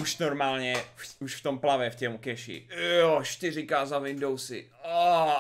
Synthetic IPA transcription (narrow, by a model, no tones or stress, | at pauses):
uʃnoɾmalˠnɛfuʃft̪õmplˠavɛft̪ɛũkeʃḭeɔʃt̪ezẽkazavẽnd̪owse | a